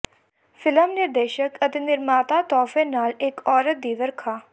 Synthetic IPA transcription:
fʰɪləmnɪɾd̪eːʃəkət̪eːnɪɾmaːt̪aːt̪ɔːfẽːnaːlɪkɔːɾət̪̚d̪iːʋəɾkʰaː

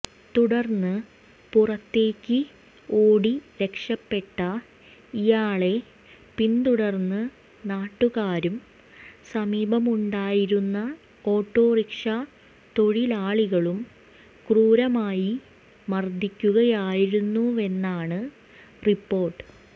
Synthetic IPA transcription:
t̪uɽɐrnːɨ | purɐt̪ːe̞ːkʲːɨ | oːɽiɾe̞kʂɐpːe̞ʈːɐ | ijaːɭe̞ | pint̪uɽɐrnːɨ | naːʈːuɣaːɾum | sɐmiːbɐmuɳɖaːjiɾunːɐ | o̞ːʈːo̞ːrikʂɐ | t̪o̞ɻilaːɭiɣɐɭum | kruːɾɐmaːji | mɐrd̪ʱikʲːuɣɐjaːjiɾunːue̞nːaːɳɨ | ripːo̞ːrʈːɨ̥

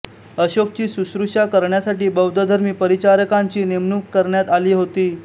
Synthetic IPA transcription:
əɕok̚t͡ɕiːsusɾuʂakəɾɳjasaʈiːbəwd̪ʱəd̪ʱəɾmiːpəɾit͡ɕaɾəkaɲt͡ɕiːnemnukkəɾɳjat̪aliːɦot̪iː

